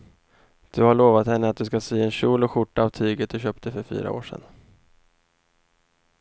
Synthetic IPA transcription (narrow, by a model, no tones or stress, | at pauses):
d̪̥ɵhaɭoːvat̪hɛnːəat̪̚d̪ɵskasiːɛnɕuːlɔɧʊʈːaːvt̪ʰyːɡət̪̚d̪ɵɕœːp̚t̪ʰəfœɾfy̰ːɾa̰o̰ːʂɛ̰n